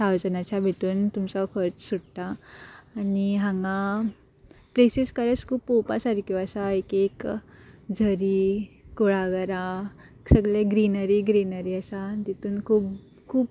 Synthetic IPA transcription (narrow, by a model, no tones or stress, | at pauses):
sawd͡zənat͡ɕjabʱit̪uːnt̪umt͡sakʰəɾt͡ssuɽt̪aː | niɦãŋɡã | plesiskəɾət͡skʰuːpːopasaɾkjoəsaekek | d͡zʱəɾiːkuɭaɡəɾaeksəɡɭeɡɾinəɾiɡɾinəɾiəsat̪it̪uːnkʰuːb | kʰuːp